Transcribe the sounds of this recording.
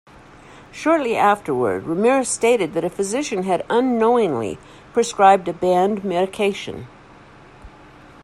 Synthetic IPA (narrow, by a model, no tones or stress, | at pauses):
ʃɔɹtˡliʔæftə˞wə̰˞d̚ɹɨmɪɹsteɪɾɨd̪̚ðɨɾɨfɨzɪʃɨ̃nɨɾə̃nːoʊɪ̃ŋlḭ | pʰɹ̥ɨskɹaɪb̚dɨbæ̃ndmɛɾɨkʰeɪʃɨ̰̃n